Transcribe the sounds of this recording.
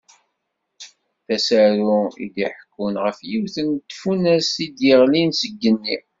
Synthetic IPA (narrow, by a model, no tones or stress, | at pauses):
θæsæɾuḭd̪iħəkːunʁəfjiwθənt̪ːfunæsid̪jəʁlinsəɡːənːi